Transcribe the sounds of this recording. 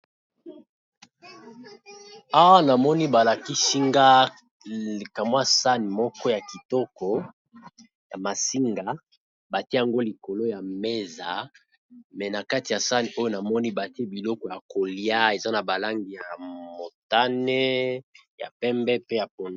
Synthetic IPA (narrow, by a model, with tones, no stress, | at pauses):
a˦na˨mɔ˦ni˦ba˨la˨ki˦si˦ŋɡa˦˨ | ka˨mwa˦sa˦ni˨mɔ˦kɔ˦ja˨ki˨tɔ˦kɔ˨ | ja̰˨ma˨si˦ŋɡa˨ | ba˨ti˦e˦ja˨ŋɡo˦li˨ko˨lo˦ja˨me˦za˨ | mɛ˨na˨ka˦ti˨ja˨sa˦ni˨o˦jo˦na˨mɔ˦ni˦ba˨ti˦e˦bi˨lɔ˦kɔ˨ja˨ko˨li˦a˦e˨za˦na˨ba˨la˦ŋɡi˨ja˨mo˨ta˦nɛ˦ | ja̰˨pɛ˦mbɛ˦pe˦ja˨po˨n˦